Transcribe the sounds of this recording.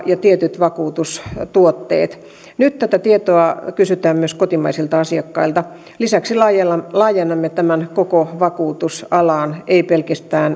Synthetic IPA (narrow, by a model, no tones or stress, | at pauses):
jɑt̪iet̪yt̪ʋɑkuːt̪ust̪uot̪ːḛːt̪ | nyt̪t̪æt̪æt̪iet̪oɑkysyt̪æːmmyøskot̪imɑisilt̪ɑɑsiɑkːɑilt̪ɑ | lisæksilɑjlɑːjenːɑmːet̪æmænkokoʋɑkuːt̪usɑlɑːneipelkæst̪æːn